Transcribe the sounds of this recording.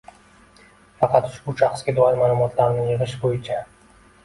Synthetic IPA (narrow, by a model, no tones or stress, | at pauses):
fɑqʰɑt̪ʊ̥ʃbʊʃaχsɡʲad̪ɒɪɾmaːlˠʊmɒt̪ʰlaɾnɪŋjɨʁɨʃbojɪt͡ʃʰa